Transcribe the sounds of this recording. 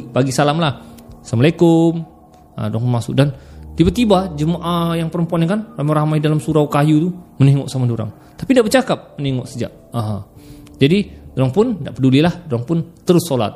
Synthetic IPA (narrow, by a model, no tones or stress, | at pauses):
paɡisalamlahsamalekʊm | ə̰doɾaŋpʊnmasʊ̰k̚dant̪ibat̪ibad͡ʒəmaʔajaŋpəɾəmpuanɲakanramaɾamajdalamsuɾawkajut̪uməniŋɔʔsamadoɾa̰ŋ | t̪apidaʔbərt͡ʃakap̚məniŋɔʔsəd͡ʒa̰ʔ | əɦə | d͡ʒadidoɾaŋpʊndaʔpədulilahdoɾaŋpʊnt̪əɾʊsola̰t̪̚